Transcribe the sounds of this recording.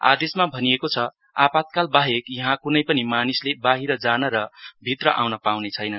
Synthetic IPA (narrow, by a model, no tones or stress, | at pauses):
a̰d̪esmabʱʌniekot͡sʰʌ | a̰pat̪̚kalbaɦekjʌɦãkunʌjpʌnimanislebaɦiɾʌd͡zanʌɾʌbʱit̪rʌʔawnʌpawnet͡sʰʌjnʌn